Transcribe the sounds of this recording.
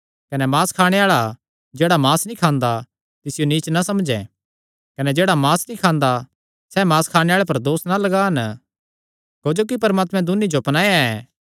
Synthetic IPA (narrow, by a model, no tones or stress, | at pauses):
kɐnɛmaːskʰaːɽ̃eaːɭa | d͡ʒeːɽamaːsnĩkʰãːnd̪a | t̪ɪsɪjoniːt͡ʃnasɐmd͡ʒɛ̃ | kɐnɛd͡ʒeːɽamaːsnĩkʰaːnd̪a | sɛmaːskʰaːɽ̃eaːɭep̬ɐɾd̪oːsnalɐɡaɦɐn | koːd͡ʒok̬ipɐɾmaːt̪mɛ̃d̪ʊnːid͡ʒoɐpnãːeaɛ